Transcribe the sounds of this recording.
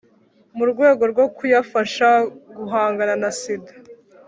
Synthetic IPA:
muɾɡwe̞ːɡo̞ɾɡo̞kujafaʃaɡuɦaːŋɡananasidḁ

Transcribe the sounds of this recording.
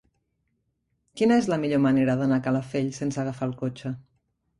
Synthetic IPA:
kinəezləmiʎoməneɾəðənakaləfeʎsensəɣafalˠkot͡ʃə

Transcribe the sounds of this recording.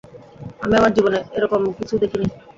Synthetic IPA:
amiamaɾd͡ʑiboneeɾɔkomkit͡ɕʰud̪ekʰini

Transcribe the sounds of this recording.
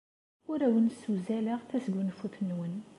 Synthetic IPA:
ʊɾæwənsːuzælæʁθæsəɡunfuθnːwən

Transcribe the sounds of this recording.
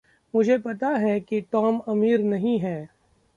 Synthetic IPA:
mʊd͡ʒʱepɐt̪aɦɛkiʈɔːmɐmiːɾnɐɦĩɦɛː

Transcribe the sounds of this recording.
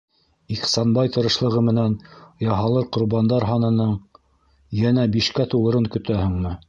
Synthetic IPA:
iqsɑnbɑjt̪ɤ̆ɾɤ̆ʃlˠɤ̆ʁɤmɘ̆nænjɑɦɑlˠɤɾqŏɾbɑnd̪ɑɾɦɑnɤ̆nɤɴ | jænæbiʃkæt̪uwɤ̆ɾɤŋkɵ̆t̪æhɵ̆ŋmɤ

